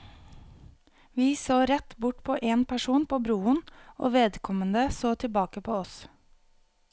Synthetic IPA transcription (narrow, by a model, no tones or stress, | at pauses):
ʋiːsoːɾɛt̪bʊʈpʰoːʔeːnpʰæʃuːnpʰoːbɾuːəno̰ːʋeːd̪kʰɔmənd̪əsoːt̪ʰɪbɑːkəpʰoːɔs